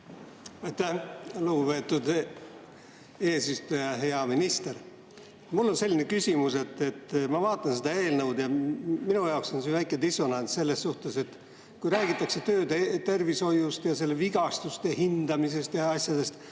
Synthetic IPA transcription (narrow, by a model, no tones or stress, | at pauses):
ɑjt̪ːæhluɡupe̞ːt̪ːud̪ | e̞ːsist̪ujɑɦe̞ɑminist̪e̞r | mulːo̞nse̞lʲːinekysʲimuse̞t̪ːe̞t̪ːmɑvɑːt̪ːˑɑnsed̪̥ɑe̞ːlnəwd̪̥jɑminujɑokso̞nsinvæjkːˑed̪iso̞nɑnsse̞lːe̞sːuht̪e̞se̞t̪ | kujɾæːɡ̥it̪ːˑɑkse̞t̪ø̞ːd̪et̪e̞rviso̞just̪jɑse̞lːeviɡ̥ɑst̪ust̪ehind̪̥ɑmis̬e̞st̪jɑɑsʲjɑd̪̥e̞st̪